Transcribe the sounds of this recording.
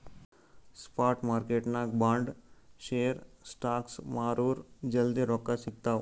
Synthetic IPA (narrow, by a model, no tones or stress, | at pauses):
spaːɾʈmaːɾkeʈnabãːɳɖʃeːəɾsʈaːksmaːɾuːɾd͡ʒəld̪iɾɔːkːaʃɪk̚t̪a